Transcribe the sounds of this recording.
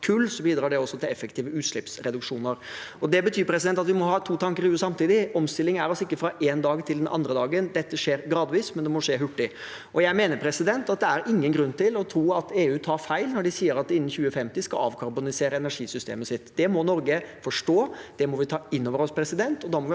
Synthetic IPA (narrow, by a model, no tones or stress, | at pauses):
kʰʉlːsɔbiːd̪ɾɑːɖɛɔsːɔt̪ʰɪlɛfːəkt̪iːʋəʉːt̪ʂlɪpsɾɛd̪ʉkʂuːnəɾɔd̪ɛbət̪ʰyːɾpʰɾɛsɪd̪ɛnt̪ɑt̪ʋɪmɔɦɑːt̪ʰuːt̪ʰɑŋkəɾjʉsɑmt̪iːd̪ɪɔmst̪ɪlːɪŋæɾɔsɪkːəfɾɑʔɛnd̪ɑːɡt̪ʰɪld̪ɛnʔɑ̰nd̪ɾəd̪ɑːɡənd̪ɛt̪ːəʂeːɾɡɾɑːd̪ʋiːsmɛnd̪ɛmɔʂeːɦʉʈːɪ | ɔjæɪmeːnəɾpʰɾɛsɪd̪ɛnt̪ɑt̪̚d̪ɛæɾɪŋːənɡɾʉnːt̪ʰɪlɔt̪ʰɾuːɑt̪eːʉːt̪ʰɑːɾfæɪlnɔɖɪsiːəɾɑt̪d̪ɪnːn̩çʉːəfɛmt̪ɪskɑ̰ɑ̰ːʋkʰɑɾbʊnɪseːɾəɛnæʂiːsʏst̪ʰḛːməsɪt̪ːd̪̥ɛmɔnɔɾɡəfɔʂʈoːd̪̥ɛmɔʋɪt̪ʰɑːɪnːoːʋəɾɔspʰɾɛsɪd̪ɛnt̪ɔd̪ɑmɔʋɪ